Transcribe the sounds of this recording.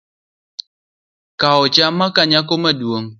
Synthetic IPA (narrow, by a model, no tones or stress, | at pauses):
kaɔt͡ʃamakaɲakomadwoŋ